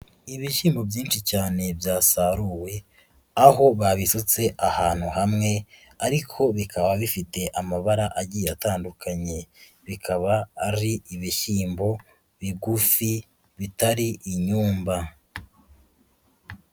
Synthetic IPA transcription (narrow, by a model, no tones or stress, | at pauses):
iβiʃiːmbo̞bjiːnʃicaːne̞bjaːsaɾuwe̞ | aɦo̞βaβisut͡se̞ʔahaːn̥huhamŋe̞ | aɾikʰo̞βikʰaβaβifite̞ʔamaβaɾaʔaɟiːjeataːndukʰaɲe̞ | βikʰaβaːɾiiβiʃiːmbo̞ | βiɡufi | βitaɾiʔiɲuːmba